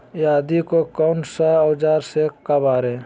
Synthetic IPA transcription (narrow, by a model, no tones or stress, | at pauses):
jaːd̪ikokɔnsaəwd͡ʒaːɾsekəbaːɾe